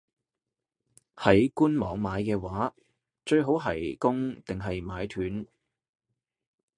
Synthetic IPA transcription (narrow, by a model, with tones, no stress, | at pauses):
hɐ˨˥jkuː˥nmɔː˨˥ŋmaː˨˧jkɛː˧waː˨˥ | t͡ʃɵ˧ɥɦo˨˥wɦɐ̰˨˩jkʊ˥ŋt̪ɪ˨ŋɦɐ˨jmaː˨˧jt̪ʰyː˨˥n